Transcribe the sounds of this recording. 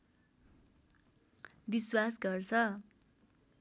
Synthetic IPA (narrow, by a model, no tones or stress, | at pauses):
biswasɡʌrt͡sʰʌ